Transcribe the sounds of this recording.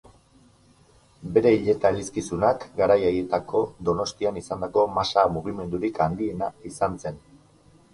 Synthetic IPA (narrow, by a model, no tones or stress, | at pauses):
be̞ɾe̞iʎe̞t̪aɾiskisunakɡaɾajaɣe̞t̪akʰo̞d̪o̞no̞st̪ianisand̪ako̞masamuɣ̞ime̞nd̪uɾikand̪ie̞naisanse̞n